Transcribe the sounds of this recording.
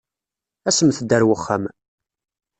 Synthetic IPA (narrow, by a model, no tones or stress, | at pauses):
æsəmθəd̪ːæɾwəχːəm